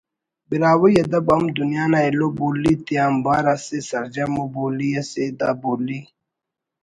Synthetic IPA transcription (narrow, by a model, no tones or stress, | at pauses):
biɾaːwujɐd̪ɐbɐmd̪unjaːnaeloboːlit̪iaːmbaːɾasesɐɾd͡ʒamoboːlijased̪aboːli